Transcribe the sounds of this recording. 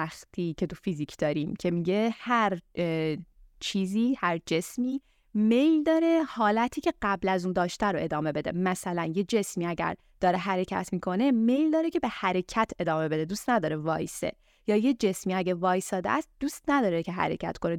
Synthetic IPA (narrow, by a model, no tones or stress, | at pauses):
æxt̪ʰiːcʰe̞t̪ʰufiziːcʰd̪̥ɒːɾiːmcʰe̞miɟe̞hæɾ | t͡ʃʰiːziːhæɾd͡ʒe̞smiː | me̞jld̪ɒːɾe̞hɒːlæt̪ʰiːcʰe̞ɢæblæzund̪ɒːʃt̪ʰæɾoʔe̞d̪ɒːme̞be̞d̪e̞̰mæsælænjed͡ʒe̞smiːæɟæ̰ɾ | d̪̥ɒːɾe̞ɦæɾe̞cʰæ̰t̪ʰmiːkʰo̞ne̞me̞jld̪ɒːɾecʰe̞be̞hæɾe̞cʰæt̪ʰe̞d̪ɒːme̞be̞d̪e̞d̪uːst̪næd̪ɒːɾevɒ̰ːjsḛ | jɒːjed͡ʒe̞smiːæɟevɒːjsɒːd̪eʔæst̪̚d̪̥uːst̪næd̪ɒːɾecʰe̞ɦæ̰ɾe̞̰cʰæ̰t̪kʰo̞ne